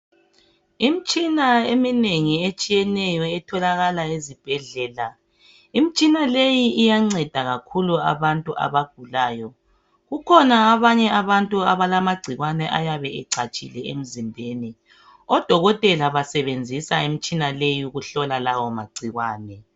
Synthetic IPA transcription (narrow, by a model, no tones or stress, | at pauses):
imit͡ʃʼinaemineŋiet͡ʃʼijɛnɛjɔɛtʰɔlaɣalaezib̥ʱɛɮɛːla | imit͡ʃʼinalejiːjaŋ͡ǀɛd̥ʱaɣakʰulua̰βantʼuʔa̰βaɡ̥ʱulaːjɔ | ɣukʰɔnaːβaɲɛaβantʼuaβalamaɡ͡ǀʱiɣwanɛʔa̰jaβɛɛǀʰat͡ʃʼḭlɛem̩zimbʱeːni | ɔd̥ʱɔɣɔtʼɛlaβasɛβend͡zʱisaim̩t͡ʃʼinalejiuɣuɬɔlalawɔmaɡ͡ǀʱiɣwaːnɛ